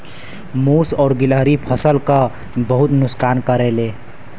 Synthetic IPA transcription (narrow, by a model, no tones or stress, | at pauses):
muːsɔːɾɡɪləɦɾipʰəsəlka | bəɦʊt̪nʊskaːnkəɾeleː